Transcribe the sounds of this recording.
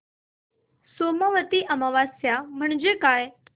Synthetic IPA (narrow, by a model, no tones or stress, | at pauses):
soːmaʋət̪iʔɐməʋaːsjam̤əɳ̃d͡ʑekaːj